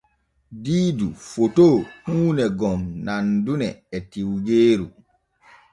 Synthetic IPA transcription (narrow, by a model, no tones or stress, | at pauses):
diːdufotoːhuːnɛɡɔmnandunɛːtiwɡeːɾu